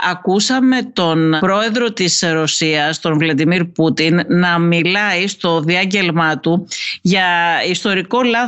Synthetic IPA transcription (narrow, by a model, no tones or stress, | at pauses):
ɐkusɐme̞t̪o̞npɾo̞e̞ðɾo̞t̪isɾo̞siɐst̪o̞nvlɐd̪imiɾput̪inːɐmilɐist̪o̞ðiɐɲɟe̞lmɐt̪uʝɐist̪o̞ɾiko̞lɐ